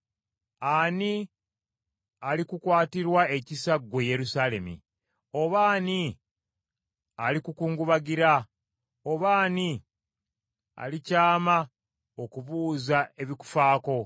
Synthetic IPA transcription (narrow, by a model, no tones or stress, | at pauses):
ani | alikukwaːtiɾwae̞cisaɡwe̞je̞ɾusale̞mḭ | o̞βaːni | alikukuːŋɡuβaɡiɾa | oβaːni | a̰licaːma | o̞kuβuːzae̞βiku̥faːko̞